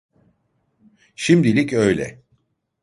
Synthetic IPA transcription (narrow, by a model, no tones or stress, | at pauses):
ʃimd̪ilʲicø̞jlʲɛ̰